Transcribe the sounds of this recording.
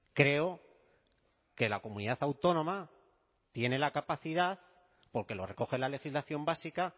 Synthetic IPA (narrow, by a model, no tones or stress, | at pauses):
kɾe̞o̞ | ke̞lako̞mũniðaθawt̪o̞nõ̞ma | t̪je̞ne̞lakapaθið̞aθ | po̞ɾke̞lo̞re̞ko̞xe̞lale̞xizlaθjo̞mbasika